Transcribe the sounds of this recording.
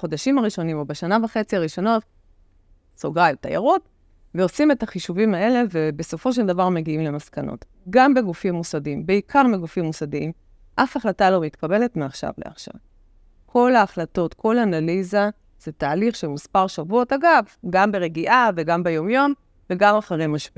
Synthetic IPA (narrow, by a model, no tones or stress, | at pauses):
χo̞daʃimaʁiʃo̞nimo̞beʃanavaχe̞t͡siaʁiʃo̞no̞t | soɡajuta̰ja̰ʁut | veo̞sime̞taχiʃuvimae̞le̞ve̞be̞so̞fo̞ʃ̬eldavaʁme̞ɡiimle̞maskano̞̰t | ɡambe̞ɡufimːusadimbeikʰaʁmiɡufimːusadiim | ʔafaχlatalomitkabe̞letmeaχʃa̰vle̞̰a̰χʃa̰v | kʰo̞laːχlato̞tko̞lanaliza | z̥etaːliχʃelmuspaʁʃavuotaɡavɡambe̞ʁeɡiʔave̞ɡambejo̞mjo̞m | ve̞ɡamaχaʁemaʃpi